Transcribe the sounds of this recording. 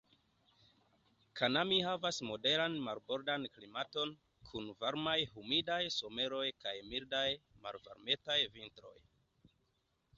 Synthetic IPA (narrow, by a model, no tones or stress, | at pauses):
kʰanamihavasmo̞de̞ɾanmalbo̞ɾdanklimato̞n | kʰunvaɾmajhumidajso̞me̞ɾo̞jkajmiɾdajma̰lva̰ɾme̞tajvintɾo̞̰j